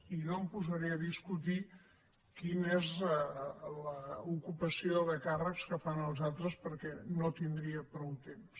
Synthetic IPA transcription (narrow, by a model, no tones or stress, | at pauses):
iʒompuzəɾiəðiskut̪̬i | kinez | ləukupəsioðəkarəkskəfanəlˠzalˠt̪ɾəspəɾkɛnot̪ind̪ɾiəpɾɔwt̪ems